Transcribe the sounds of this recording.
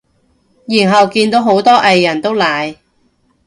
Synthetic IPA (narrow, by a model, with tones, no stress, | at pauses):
jiː˨˩nɦɐ˨wkiː˧nt̪o˨˥wɦo˨˥wt̪ɔː˥ʔɐ˨˧jːɐ˨˩nt̪o˥wlaː˨˩j